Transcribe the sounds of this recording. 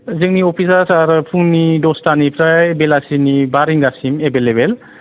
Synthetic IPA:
zɯŋniopʰisasaɾɯpʰuŋnidɔstanipʰɾaebelasinibaɾiŋɡasimebelebel

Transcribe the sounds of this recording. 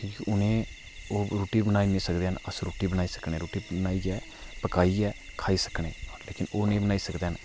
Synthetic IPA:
kĩːkiʔʊnẽː | oːɾoːʈiːbənaːiːnẽːsəkd̪eːɦənəsɾoːʈiːbənaːiːsə̥kneːɾoːʈiːnaːiːd͡ʒɛː | pəkaːiːɛːkʰaːiːsə̥kɳeːɾleːkɪnoːnẽːbənaːiːsəkd̪eːɦən

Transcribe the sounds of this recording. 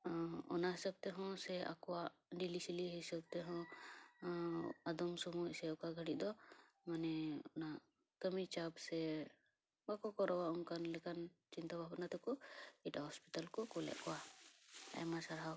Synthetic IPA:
ɔnaɦɛsəb̚t̪ɛɦɔ̃sɛa̰kɔwaʔɖilisiliɦɛsəb̚t̪ɛɦɔ̃ | ad̪ɔmsɔmusɛɔkaɡʱəɽiʔd̪ɔ | manɛɔna | kəmit͡ʃabsɛ | bakɔkɔɾɔwaunkanlɛkant͡ʃint̪abʱabnat̪ɛkɔiʈaɦɔspit̪alkɔkɔlɛ̰ʔkɔwa | a̰jmasaɾɦaw

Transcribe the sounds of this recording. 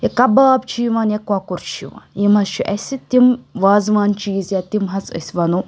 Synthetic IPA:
ekɐbaːbt͡ʃʰiʋaːnjekwakuɾt͡ʃʰḭʋa̰ːnjimɐst͡ʃʰiʔɐsʲit̪imʋaːzʋaːnt͡ʃiːzjat̪imɦɐt͡sə̰sʲʋɐnu

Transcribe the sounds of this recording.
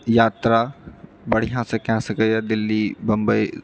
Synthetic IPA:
jaːt̪ɾa | bɐɽ̤ijãsẽkãsɐkəjad̪ɪlːibɐ̃mbə

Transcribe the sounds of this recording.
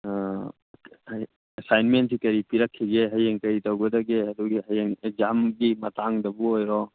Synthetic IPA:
ɐsajnmentsikɐɾipiɾɐkʰːiɡeɦɐjeŋkɐɾitawɡɐdɐɡeɐduɡiɦɐjeŋek̚zamɡimɐtaŋdɐbuɦojɾɔ

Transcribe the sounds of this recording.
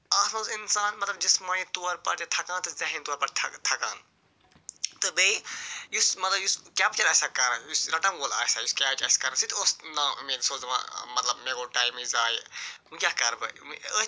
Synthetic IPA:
aːsnõːsinsaːnmɐt̪lɐb̚d͡ʒismaːĩt̪uːɐɾpɐɾt̪t̪ʰɐkãːnt̪ɨzɐɦint̪uɐɾpɐɾt̪ʰt̪ʰɐka̰ːn | t̪ɨbeijusmɐt̪lɐbjuskʲaːp̚t͡ʃɐɾɐsakɐɾjusɾɐʈɐmɡoːla̰ːsajuskʲaːpt͡ʃɐskɐɾsit̪ʰoːsnaːmeɡsoːzʋã̰mɐt̪lɐbmeːɡoːʈaːjmizaːjũkʲakɐɾbɨ̰miə

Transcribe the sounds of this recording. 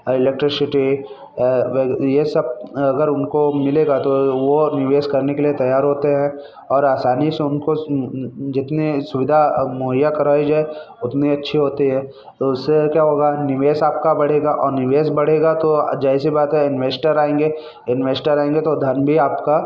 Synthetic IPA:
ɪleːk̚ʈɾɪsɪʈi | ʋejesɐb̚ɐɡəɾʊnkomɪleːɡat̪oʋonɪʋeːskɐɾnekeliet̪ɐjaːɾɦoːt̪eɦɛ̃ | ɔːɾaːsaːniseʊnko | d͡ʒɪt̪nisʊʋɪd̪ʱamʊːɦəjakɐɾaːid͡ʒoɦɛ | ʊt̪niɐtːʃʰiɦoːt̪iɦɛ̃ː | t̪oʊsekjaːɦoːɡanɪʋeːsaːp̚kabɐɽ̤eːɡaʔɔːɾnɪʋeːsbɐɽ̤eːɡat̪od͡ʒɛsibaːt̪ɦɛɪnʋeːsʈəɾaːẽːŋɡe | ɪnʋeːsʈəɾaːẽːŋɡet̪od̪ʱɐnbʱiaːpka

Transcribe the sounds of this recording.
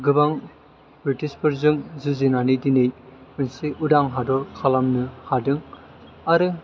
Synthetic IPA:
ɡɯbaŋ | bɾitispɯɾzɯŋzɯzinanidinejɯnsiʔudaŋɦadɔɾkʰalamnɯhadɯŋ | aɾɯ

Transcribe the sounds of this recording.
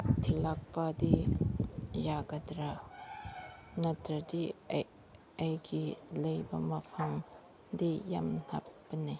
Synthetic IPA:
tʰilak̚pɐdi | jaɡɐdɾa | nɐtɾɐdi | ɐjɡilɐjbɐmɐpʰɐŋ | dija̰mn̥apːɐni

